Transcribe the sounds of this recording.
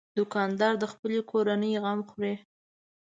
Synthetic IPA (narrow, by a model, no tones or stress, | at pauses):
d̪ʊkɑnd̪ɑɾd̪əxpəlekʰoɾanəjɣamxɾe